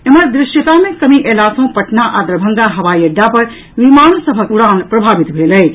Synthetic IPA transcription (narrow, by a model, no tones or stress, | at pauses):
eməɾd̪ɾɪʃjət̪amẽkəmiʔelasɐ̃ũpəʈnaʔad̪ɾəbʱəŋɡaɦɐʋajəɖːapəɾ | ʋimansəbʱəkuɽanpɾəbʱabit̪bʱeləɦ